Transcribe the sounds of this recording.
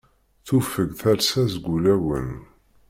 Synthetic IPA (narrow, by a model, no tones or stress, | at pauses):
θufəɡθæɾsæzɡʷulæwə̰n